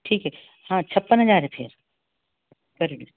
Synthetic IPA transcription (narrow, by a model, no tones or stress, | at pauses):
ʈʰiːkɦɛ | hãːt͡ɕʰɐpːənɦɐd͡ʑaːɾepʰɪ̰ɾ | kɐɾin